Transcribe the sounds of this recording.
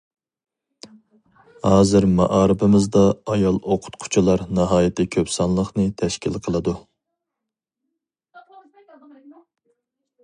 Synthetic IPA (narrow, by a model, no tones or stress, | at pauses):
hɑːzɪɾmɑ̰ʔɑːɾɪpɪmɪzd̪ɑːjɑlˠoqʰʊ̥t̪qʰʊ̥t͡ʃʰulˠɑɾnɑɦɑːjɪt̪ʰɪkʲʰøpsɑnlˠəχnɨt̪ʰɛʃkʲilqʰəlˠɨd̪u